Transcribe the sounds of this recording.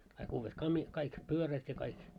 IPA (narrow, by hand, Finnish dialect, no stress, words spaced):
kɑik uːʋːet kɑmi kɑik pyøræt jɑ kɑik